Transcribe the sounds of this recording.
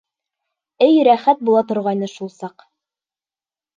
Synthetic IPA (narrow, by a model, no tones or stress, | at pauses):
ɘjɾæχæt̪̚bulˠɑt̪ŏɾʁɑjnɤʃulˠsɑq